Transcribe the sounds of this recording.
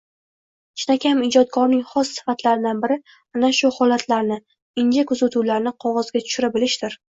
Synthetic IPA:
t͡ʃɪnakʲʰamɪd͡ʒɒt̪̚kʰɒɾnɪŋχɒsːɪ̥fat̪laɾɪd̪anbɪɾɪ | anaʃʊhɒlat̪ʰlaɾnɪ | ɪnd͡ʒakʊzat̪ʰuwlaɾnɪqʰɒʁɒzɡʲat̪ʰʊ̥ʃɪɾabɪlɪʃd̪ɪɾ

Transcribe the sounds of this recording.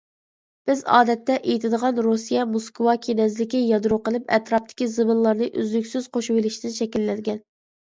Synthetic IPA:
b̥ɪzɑ̰ːd̪ɛt̪ːɛʔejt̪ʰɪd̪əʁɑnɾusijɛmoskwɑkʲʰenɛzlɪkʲijɑd̪ɾuqəlˠɨpɛ̰t̪ɾɑp̚t̪ʰɪ̥kʲizɨmɨnlˠɑɾnɨʔyzlykʲsyz̥qʰoʃuwɪlɪʃt̪ɪnʃɛkʲilːɛd̪ɪɡʲɛn

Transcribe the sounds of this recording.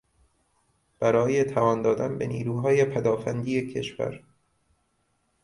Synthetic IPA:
b̥æɾɒːjet̪ʰævɒːnd̪ɒːd̪ænbenḭːɾuːɦɒːjepʰæd̪ɒːfænd̪iːecʰe̞ʃvæ̰ɾ

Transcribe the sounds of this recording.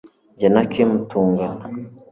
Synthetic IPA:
ɟanakemutuːŋɡana

